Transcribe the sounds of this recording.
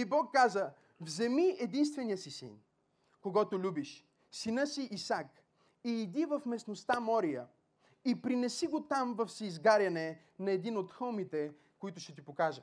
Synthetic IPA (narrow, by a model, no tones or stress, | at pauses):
ibɔkːazə | vzɛmiɛd̪inst̪vɛnijəsisḭn | koɡɔt̪olʲubiʃ | sinɤsiʔːsak | iːd̪ivɐfmɛsnost̪amɔɾijə | ipɾinɛsiɡot̪amvɐfsɛizɡaɾʲɐnɛ | nɐɛd̪inot̪xɤlˠmit̪ɛ | koit̪ʊʃɛt̪ipokaʒɐ